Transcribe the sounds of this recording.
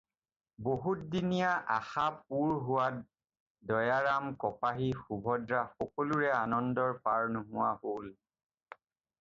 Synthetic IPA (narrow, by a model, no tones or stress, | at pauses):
boɦut̚dinijaʔaxap̚uɹɦʊwat̚ | dɔjaɹamkɔpaɦixubʱɔdɹaxɔkɔluɹɛanɔndɔɹpaɹnʊɦʊwahol